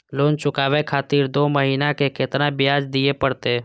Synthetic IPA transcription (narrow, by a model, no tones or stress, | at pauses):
loːnt͡ʃʊkaːʋekʰaːt̪iːɾd̪oːməɦiːnakeket̪nabjaːd͡ʒd̪iepəɽt̪e